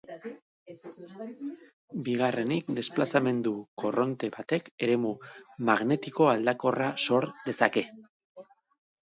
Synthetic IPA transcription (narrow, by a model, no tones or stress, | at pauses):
biɣare̞nikd̪e̞splasame̞nd̪uko̞ro̞nt̪e̞βat̪e̞ke̞ɾe̞mumaɣne̞t̪iko̞ald̪ako̞raso̞ɾd̪e̞sake̞